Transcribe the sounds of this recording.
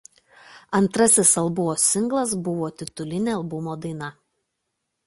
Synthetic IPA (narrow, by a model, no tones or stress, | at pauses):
ɐnt̪ɾɐsʲɪsɐlˠbʊʋoːsʲɪŋɡlˠɐs̬bʊʋoːt̪ʲɪt̪ʊlʲɪnʲeɐlˠbʊmoːd̪ɐɪnɐ